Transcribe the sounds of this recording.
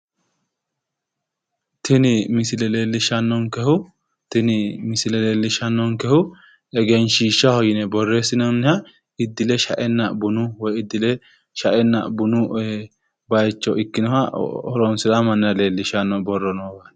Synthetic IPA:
t̪ʰɪnɪmɪsɪlɛle̞ːlːɪʃɐnːɔnkɛhʊ | t̪ɪnɪmɪsɪlɛle̞ːlːɪʃɐnːɔŋkɛhʊ | ɛɡɛnʃiːʃːɐhɔjɪnɛbɔrːeːsɪnɔnːɪhɐ | ɪd̪ːɪlɛʃɐ̰ʔɛnːɐbʊnʊwɔjɪd̪ːɪlɛ | ʃɐʔɛnːɐ̰bʊnʊ | bɐjt͡ʃːɔʔɪkːɪnɔhɐɔɾɔnsɪlɐmɐnːɪɐle̞ːlːɪʃɐnːɔbɔrːɔnɔɡɐn

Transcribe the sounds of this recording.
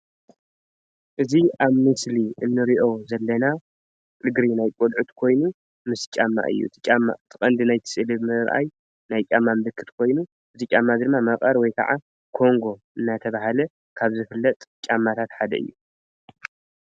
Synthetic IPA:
ʔɨziʔaβmɨsliʔɨnːɨɾiʔo̞zɐlːɐna | lɨɡɾinajkʼolʕut̪kʰo̞jnu | mɨst͡ʃʼamːa̰ʔɨ̰jːṵt̪ʰt͡ʃʼamːa̰t̪ʰɨχʼɐnd̪ɨnajt̪ʰɨ̥sʼɨlɨβmɨɾʔa̰j | najt͡ʃʼamːamɨbɨkʰːɨt̪kʰo̞jnu | ʔɨzit͡ʃʼamːad̪ɨnmːamɐχʼɐɾwɔjkʰa̰ʕa | kʰo̞ŋɡo̞ʔɨnːat̪ʰɐβaɦalɐ | kʰaβzɨfɨlːɐt̪ʼt͡ʃʼamːat̪ʰat̪ħad̪ɐʔɨ̰jːu

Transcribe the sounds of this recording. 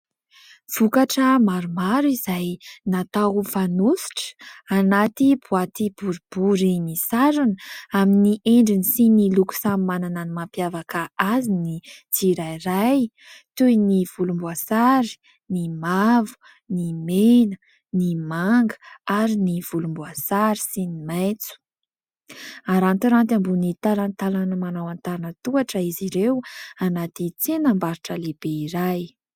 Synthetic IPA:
v̥ukaʈ͡ʂəmaɾumaɾuizajnat̪aɦufanusi̥ʈ͡ʂə̥anat̪ibuat̪ib̥uɾib̥uɾimisaɾunaminiʔeɳɖ͡ʐinisiniluku̥samimanananimampjavakaazinit͡siɾajraj | t̪ujniv̥ulumbuasaɾi̥ | nimavu̥ | nimenə̥ | nimaŋɡə̥aɾiniv̥ulumbuasaɾisinimajt͡su̥ | aɾant̪iɾant̪ambunit̪alant̪alanəmanawant̪aɾanət̪uaʈ͡ʂəiziɾewanat̪it͡senambaɾiʈ͡ʂəleb̥eiɾaj

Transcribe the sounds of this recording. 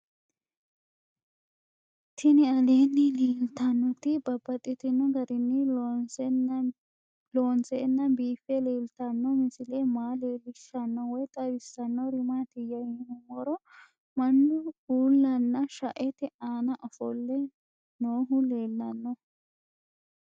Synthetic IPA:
t̪ʰɪnɪɐleːnːɪleːlt̪ɐnːɔt̪ɪbɐbːɐt̪ʼːɪt̪ɪnːɔɡɐɾɪnːɪ | loːnsɛnːɐbiːfɛleːlt̪ɐnːɔmɪsɪlemaːleːlːɪʃːɐnːɔwɔjt̪ʼɐbɪsːɐnːɔɾɪmat̪ɪjɐjɪnʊmɔɾɔ | mɐnːʊuːlːɐnːɐʃɐʔɛt̪ɛʔaːnɐʔɔfɔlːɛ | noːɦʊleːlːɐnːɔ

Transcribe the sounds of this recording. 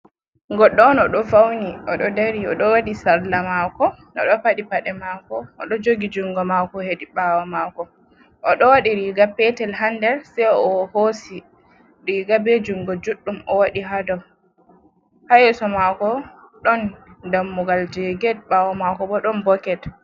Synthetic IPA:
ŋɡɔɗːɔnɔɗɔfawniʔɔɗɔdaɾiɔ̰ɗɔwaɗisaɾlamakɔnɔ̰ɗɔpaɗipaɗɛmakɔʔɔɗɔd͡ʒoɡid͡ʒuŋɡɔmakɔhediɓawamakɔ | ʔɔɗɔwaɗiɾiːɡapɛtɛlɦandɛɾsɛjɔhosi | ɾiɡabed͡ʒuŋɡɔd͡ʒuɗːumʔɔwaɗiɦadɔw | hajɛsɔmakɔ | ɗɔndamːuɡald͡ʒɛɡɛd̚ɓawamakɔbɔɗɔnbɔkɛt

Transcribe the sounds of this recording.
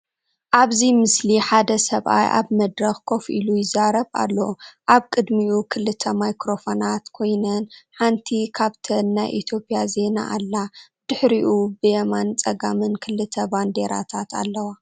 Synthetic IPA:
ʔaβzimɨsliħad̪ɐsɐβʔa̰jʔa̰βmɐd̪ɾɐxkʰo̞fʔḭlujɪzaɾɐβa̰lːɐʔaβkʼɨd̪miukʰɨlɨt̪ʰɐmajkɾofonat̪kʰo̞jnɐnħant̪ʰikʰaβt̪ʰɐnːajʔit̪ʰjo̞pʼjaze̞na̰ʔalːa | d̪̥ɨħɾiʔubɨjɛmant͡sʼɐɡamɨnkʰɨlɨt̪ʰɐband̪e̞ɾa̰t̪ʰat̪a̰lːɐwa

